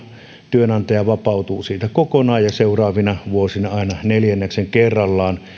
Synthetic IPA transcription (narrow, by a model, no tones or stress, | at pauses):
t̪yønɑnt̪ɑjɑʋɑpɑˑut̪uːsiːt̪ækokonɑːjjɑseˑurɑːʋinɑʋuosinɑɑˑenɑneljænːækseŋkerːɑlːɑːn